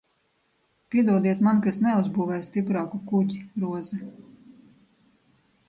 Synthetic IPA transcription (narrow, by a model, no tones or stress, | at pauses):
pʲiɛd̪uɔd̪iɛt̪mankasnɛuzbuːvɛːst̪ipɾaːkukuɟiɾuɔzɛ